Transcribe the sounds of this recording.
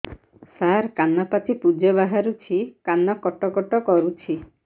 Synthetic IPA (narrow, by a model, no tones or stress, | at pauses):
saɾkanɔpatipud͡ʒɔβaɦaɾut͡ʃʰikanɔkɔʈɔkɔʈɔkɔɾut͡ʃʰi